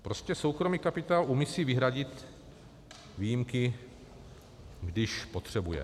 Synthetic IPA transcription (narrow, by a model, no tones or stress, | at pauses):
pɾoscɛso̞wkɾomiːkapɪt̪aːlʔumisiːvɪɦɾaɟɪt̪ | viːjimkɪ | ɡdɪʃpot̪r̝̥ɛbujɛ̰